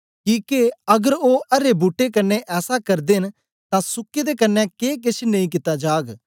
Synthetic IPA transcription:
kiːkeəɡəɾoːʔɐɾeːbuːʈːeːkənːeʔɛːsakɐɾd̪en | t̪ãːsʊkːeːd̪eːkənːɛ̃ːkeːk̬ɪt͡ʃʰnə̃ĩːk̬ɪt̪aːd͡ʒaːɡ

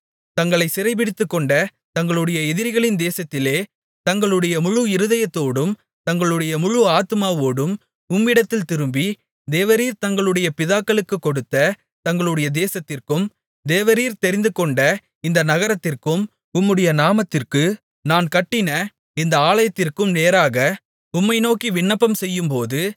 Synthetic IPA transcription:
t̪ɐŋɡɐɭɐɪsɪɾɐɪpɪɽɪt̪ːɯkːɔɳɖɐ | t̪ɐŋɡɐɭɯɽɐjɐɛðɪɾɣɐɭɪnd̪eːsɐt̪ːɪleː | t̪ɐŋɡɐɭɯɽɐjɐmʊɻʊɪɾɯðɐjɐt̪ːoːɽɯm | t̪ɐŋɡɐɭɯɽɐjɐmʊɻʊaːt̪ɯmaːʋoːɽɯm | ʊmːɪɽɐt̪ːɪlt̪ɪɾɯmbi | d̪eːʋɐɾiːɾt̪ɐŋɡɐɭɯɽɐjɐpɪðaːkːɐɭɯkːɯkːɔɽɯt̪ːɐ | t̪ɐŋɡɐɭɯɽɐjɐd̪eːsɐt̪ːɪrkɯm | d̪eːʋɐɾiːɾt̪ɛɾɪnd̪ɯkɔɳɖɐ | ɪnd̪ɐnɐɣɐɾɐt̪ːɪrkɯm | ʊmːɯɽɐjɐnaːmɐt̪ːɪrkɯ | naːnkɐʈːɪnɐ | ɪnd̪ɐaːɭɐjɐt̪ːɪrkɯmneːɾaːɣɐ | ʊmːɐɪnoːkiʋɪɳːɐpːɐmsɛjːɯmpoːðɯ

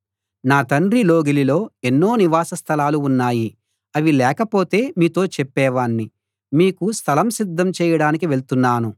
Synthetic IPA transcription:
naːt̪ɐɳɾilo̞ːɡililo̞ːe̞nːo̞ːniʋaːsɐst̪ʰɐlaːluːnːaːji | ɐʋilɛːkɐpo̞ːt̪e̞ːmiːt̪o̞ːt͡ʃɛpːɛːʋaːɳːi | miːkust̪ʰɐlɐmsid̪ʱːɐmt͡ʃɛːjɐɽaːnikiʋe̞ɭt̪unːaːnu

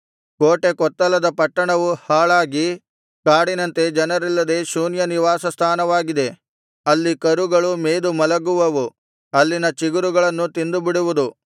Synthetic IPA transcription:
koːʈe̞kɔt̪ːɐlɐd̪ɐpɐʈːɐɳɐʋuhaːɭaːɡi | kaːɽinɐnt̪e̞d͡ʒɐnɐɾilːɐd̪e̞ːʃuːnjɐniʋaːsɐst̪ʰaːnɐʋaːɡid̪e̞ | ɐlːikɐɾuɡɐɭumeːd̪umɐlɐɡuʋɐʋu | ɐlːinɐt͡ʃiɡuɾuɡɐɭɐnːut̪ind̪ubiɽuʋud̪u

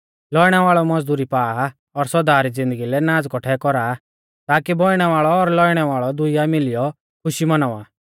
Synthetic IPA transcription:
lɔiɽ̃ɛʋaːɭɔmɔd͡zd̪uːɾipaːa | ɔɾsɔd̪aːɾid͡zɪ̃nd̪əɡilɛnãːd͡zkɔʈʰɛkɔɾaː | t̪aːkibɔɪɽ̃ɛʋaːɭɔːɾlɔiɽ̃ɛʋaːɭɔd̪ʊijamɪlɪjɔ | kʰʊʃimɐnaːʋaː

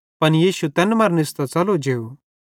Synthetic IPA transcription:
pɐnjiːsut̪ɛnmɐɾnɪst̪at͡sɐlod͡ʒeːu

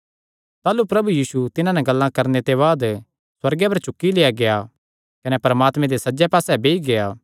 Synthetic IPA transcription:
t̪aːlupɾɐbujiːsut̪ɪnãnɛɡɐlːãkɐɾnet̪eβaːd̪ | swɐɾɡɛpɐɾt͡ʃʊkːilejaɡeja | kɐnɛpɐɾəmaːt̪mɛ̃d̪esɐd͡ʒɛpaːsɛbeːiɡejaː

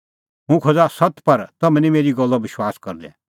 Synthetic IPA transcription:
ɦũkʰod͡zasɐt̪pɐɾt̪ɐmɛ̃nĩmeːɾiɡɔlːɔbɪʃwaːskɐɾd̪ɛ̰̃

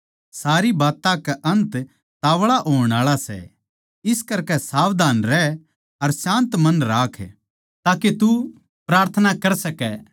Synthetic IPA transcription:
saːɾibaːt̪ãkɛʔɐ̃nt̪ | t̪aːʋɭaʔoːɽ̃aːɭasɛ̰ | ɪskɐɾkɛsaːʋd̪ʱaːnɾɛ | ɐɾsãːnt̪mɐnɾaːkʰɛ | t̪aːket̪u | pɾaːɾt̪ʰənakɐɾsɐkɛ

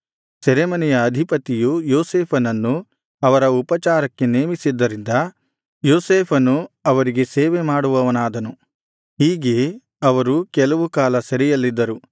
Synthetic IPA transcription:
sɛɾemɐnɛjɐːd̪ʱipɐt̪ijujoːseːpʰɐnɐnːu | ɐʋɐɾɐupɐt͡ʃaːɾɐkːe̞neːmisid̪ːɐɾind̪ɐ | joːseːpʰɐnːuɐʋɐɾiɡe̞seːʋemaːɽuʋɐʋɐnaːd̪ɐnu | ɦiːɡe̞ | ɐʋɐɾukɛlɐʋukaːlɐsɐɾɛjɐlːid̪ːɐɾu

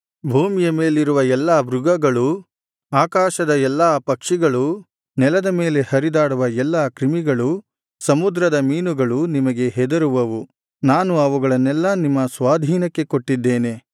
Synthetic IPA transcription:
bʱuːmijɐme̞ːliɾuʋɐɛlːaːbɾuɡɐɡɐɭu | aːkaːʃɐd̪ɐɛlːaːpɐkʂiɡɐɭu | nɛlɐd̪ɐme̞ːle̞hɐɾid̪aːɽuʋɐɛlːaːkɾimiɡɐɭu | sɐmud̪ɾɐd̪ɐmiːnuɡɐɭunimɐɡe̞ɦɛd̪ɐɾuʋɐʋu | naːnuɐʋuɡɐɭɐnːɛlːɐnimːɐsʋaːd̪ʱiːnɐkːe̞ko̞ʈːid̪ːe̞ːne̞

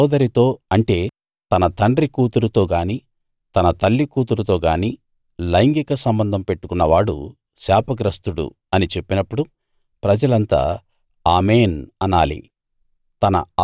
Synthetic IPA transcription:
d̪ɐɾit̪o̞ːɐɳʈe̞ː | t̪ɐnɐt̪ɐɳɖɾikuːt̪uɾut̪o̞ːɡaːniː | t̪ɐnɐt̪ɐlːikuːt̪̬uɾut̪o̞ːɡaːniː | lɐjŋɡikɐsɐmbɐnd̪ʱɐmpe̞ʈːukunːɐʋaːɽṵ | saːpɐɡɾɐst̪uɽṵ | ɐnit͡ʃe̞pːinɐpːuɽu | pɾɐd͡ʒɐlɐnt̪a̰ː | aːmeːnɐnaːlḭ | t̪ɐnɐ̰

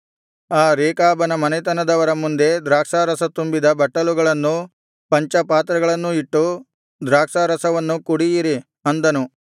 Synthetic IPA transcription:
aːɾeːkaːbɐnɐmɐnet̪ɐnɐd̪ɐʋɐɾɐmund̪e̞d̪ɾaːkʂaːɾɐsɐt̪umbid̪ɐbɐʈːɐluɡɐɭɐnːu | pɐɲt͡ʃɐpaːt̪ɾɐɡɐɭɐnːuiʈːu | d̪ɾaːkʂaːɾɐsɐʋɐnːukuɽijiɾi | ɐnd̪ɐnu

